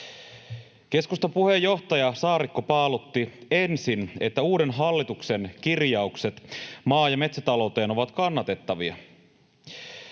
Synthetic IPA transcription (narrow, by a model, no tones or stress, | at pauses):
k̟e̞skust̪ɑpuhe̞jːo̞ht̪ɑjɑsɑːɾikːopɑːlot̪ːie̞nsine̞t̪ːæuːdenɦɑlːit̪ukse̞nk̟irjɑukse̞t̪mɑːjɑme̞t̪sæt̪ɑlo̞wt̪e̞ːno̞ʋɑt̪kɑnːɑt̪e̞t̪ːɑʋiɑ̰